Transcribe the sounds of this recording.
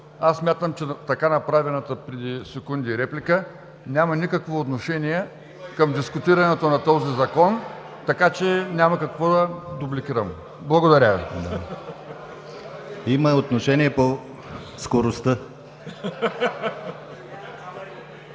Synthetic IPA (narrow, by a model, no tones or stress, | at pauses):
asːmʲjat̪əmt͡ʃɛt̪ɐkanɐpɾavɛnɐt̪əpɾɛd̪isɛkund̪iːɾɛplʲikə | nʲamɐnikəkvoːt̪noʃɛnʲijɛ | kɐmd̪iskʊt̪iɾɐnɛt̪onɐt̪ɔzizɐkɔn | t̪ɐkat͡ʃɛnʲamɐkɐkvɔd̪ɐd̪ʊblikʲiɾəm | blˠɐɡod̪ɐɾʲavḭd̪a | iməot̪noʃɛniɛpo | skoɾost̪ə